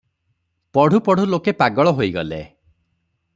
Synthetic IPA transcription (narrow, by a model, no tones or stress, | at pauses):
pɔɽ̤ʱupɔɽ̤ʱulokepaɡɔɭɔɦojɡɔlḛ